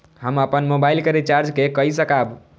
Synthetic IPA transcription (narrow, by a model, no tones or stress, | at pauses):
ɦəməpənmobailkəɾit͡ʃaɾd͡ʒkekəisəkab